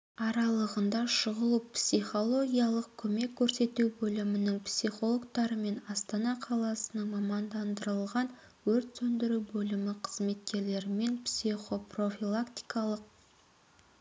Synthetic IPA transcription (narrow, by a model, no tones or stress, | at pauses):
ɑɾɑlˠəʁənd̪ɑʃəʁəlˠupsiχo̞lˠo̞ɡʲijɑlˠəqkʲʰɵme̞kʲʰːɵɾse̞t̪uwbɵlɪmɪnɪŋpsiχo̞lˠo̞kt̪ɑɾəme̞nɑst̪ɑnɑqʰɑlˠɑsənəŋmɑmɑnd̪ɑnd̪əɾəlˠʁɑn | wɵɾt̪sɵnd̪ɪɾuwbɵlɪmɪqʰə̥zme̞t̪̚kʲe̞ɾle̞ɾɪme̞npsiχo̞pro̞filˠakt̪i̥jkɑlˠəq̚